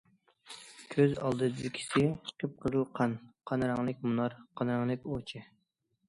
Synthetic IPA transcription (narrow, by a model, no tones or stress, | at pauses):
kʲʰøzɑ̰lˠd̪ɨd̪ɨd̪ɪkʲʰi̥sɪqʰəp̚qʰəzɨlˠqʰɑnqʰɑnɾɑŋlˠɪk̚ʲmunɑɾqʰɑnɾɑŋlˠɪkʲot͡ʃʰɪ